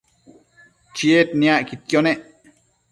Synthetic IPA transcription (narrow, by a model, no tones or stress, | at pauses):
t͡ʃiet̪niaʔkit̪̚kjoneʔ